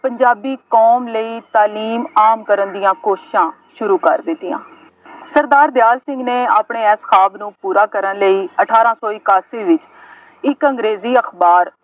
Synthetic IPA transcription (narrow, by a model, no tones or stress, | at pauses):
pəɲd͡ʒaːbiːkoːmləiːt̪aːliːmaːmkəɾənd̪ɪjãːkoːʃɪʃãː | ʃʊɾuːkəɾd̪ɪt̪ːɪjã̰ː | səɾd̪aːɾd̪jaːlsɪ̃ŋɡneːaːpɳeːɛːsxʰaːbnũːpuːɾaːkəɾənləiːəʈʰaːɾãːsɔːɪkaːsiːʋɪt͡ʃ | ɪkəŋɡɾeːziːəxbaːɾ